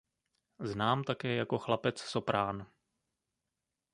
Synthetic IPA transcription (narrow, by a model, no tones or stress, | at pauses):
znaːmt̪akɛːjako̞xlapɛt͡ssopɾaːn